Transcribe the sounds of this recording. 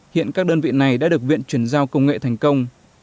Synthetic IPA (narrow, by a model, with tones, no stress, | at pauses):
hḭ˧˨ənkaː˦˥k̚ɗəː˧nvḭ˧˨na˨˩jɗa̰ː˧˥ɗək̚vḭ˧˨ənt͡ɕwi˧˩ənzaː˧wkə˧wŋ͡mŋḛ˧˨t̪ʰɛ˨˩jŋ̟kə˧wŋ͡m